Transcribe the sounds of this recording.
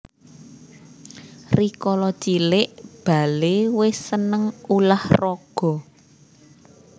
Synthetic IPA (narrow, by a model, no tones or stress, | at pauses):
rikɔlɔt͡ʃilɪʔb̥a̤lewɪsːənəŋulahrɔɡ̥ɔ̤